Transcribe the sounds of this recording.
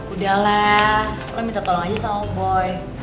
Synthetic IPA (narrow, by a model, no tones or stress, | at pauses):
udahlakolɔmint̪at̪olɔŋad͡ʒasamabɔj